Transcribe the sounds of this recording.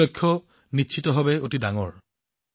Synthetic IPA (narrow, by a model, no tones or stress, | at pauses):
ɔkʰːɔ | nitːʃʰitɔɦɔbɛotidaŋɔ̰ɹ